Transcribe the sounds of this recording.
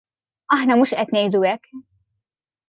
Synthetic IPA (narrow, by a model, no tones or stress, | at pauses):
ɐħnɐmuːʃʔɛt̪nɛjd̪uɛkː